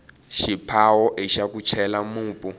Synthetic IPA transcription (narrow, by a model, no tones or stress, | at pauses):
ʃipʰawɔʔiʃakut͡ʃʰɛlamuːpʼu